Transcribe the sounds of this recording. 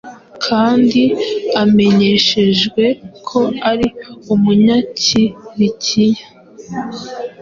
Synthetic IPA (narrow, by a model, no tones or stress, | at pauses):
kʰaːndiame̞ɲe̞ʃe̞ʒɡwe̞kʰo̞aɾiumuɲaciβicʰiɲa